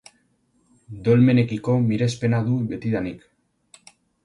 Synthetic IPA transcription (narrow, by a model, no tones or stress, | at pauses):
d̪o̞lme̞ne̞kiko̞miɾe̞spe̞naðuβe̞t̪iðanik